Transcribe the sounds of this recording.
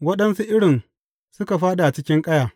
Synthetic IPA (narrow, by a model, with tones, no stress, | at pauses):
wɐ˦ɗɐ˦nsu˦ʔɪ˦ɽɪ˨n | sʊ˦ka˨ɸaː˦ɗa˨t͡ʃɪ˦kʲɪ˦ŋkʼɐ˦jaː˨